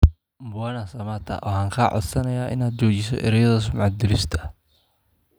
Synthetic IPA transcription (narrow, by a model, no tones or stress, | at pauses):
mbʊwanɐsɐmɐt̪ʰɐ̰ʔɔ̰ːhaːŋkʰaːʕɔ̰d̪sɐnɐjaːʔɪ̰naːd̪̚t͡ʃɔːt͡ʃɪsɔ̰ʔɪ̰ɾɐjɐðɐs̬ʊmʕɑd̪ɪlɪst̪ʰɐ̥